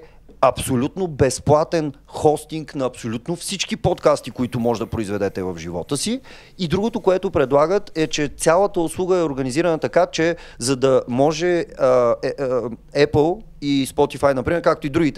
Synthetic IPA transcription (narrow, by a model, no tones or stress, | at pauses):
ɐpsolʲut̪nobɛsplˠat̪ɛnxɔst̪iŋknɐːpsolʲut̪nofsit͡ʃkipɔt̪kast̪ikoit̪ʊmɔʒɛd̪ɐpɾoizvɛd̪ɛt̪ɛvɐvʒivɔ̰t̪əsiː | d̪ɾuɡot̪okoɛt̪opɾɛd̪lˠaɡət̪ɛt͡ʃɛt̪sʲalˠət̪əʊslˠuɡəɛoɾɡəniziɾənət̪ɐkat͡ʃɛ | zɐd̪ɐmɔʒɛə | ɛpəlˠ | ispɔt̪ifajnɐpɾimɛɾkak̚t̪oʊid̪ɾuɡʲit̪ɛ